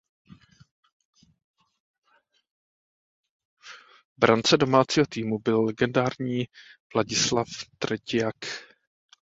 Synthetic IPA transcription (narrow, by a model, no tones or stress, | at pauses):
bɾant͡sɛdo̞maːt͡siːɦo̞t̪iːmubɪlːɛɡɛndaːɾɲiːvlaɟɪslaft̪ɾɛcɪjak